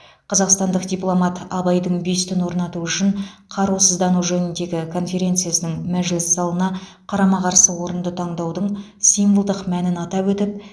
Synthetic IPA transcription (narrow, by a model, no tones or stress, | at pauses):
qʰɑzɑqst̪ɑnd̪əqd̪ʲijplˠo̞mɑt̪ɑbɑjd̪əɴbe̞st̪ʰʏnwo̞ɾnɑt̪uʏʃɪɴqʰɑɾusəzd̪ɑnuʒɵnɪnd̪e̞ɡʲɪkʰo̞nfʲe̞ɾʲe̞nt̪sɨjasənəɴmæʒlɪsːɑlˠənɑ | qʰɑɾɑmɑʁɑɾsəwo̞ɾənd̪ət̪ʰɑɴd̪ɑwd̪əɴ | sijmbəlˠd̪əqmænɪnɑt̪ɑpwɵt̪ɪp̚